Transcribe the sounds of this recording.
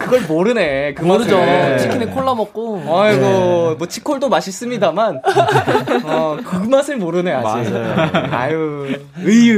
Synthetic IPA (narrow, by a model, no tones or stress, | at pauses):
kɯɡʌɭmoɾɯne̞kɯmoɾɯd͡ʑot͡ɕʰikʰinekʰoɭːʌmʌk̚k͈oʌɡʌmwʌt͡ɕʰi̥kʰoɭdomaɕʰis͈ɯmɲidaman | ʌkɯmasʰɯɭmoɾɯne̞a̰i | a̰ju | ɯ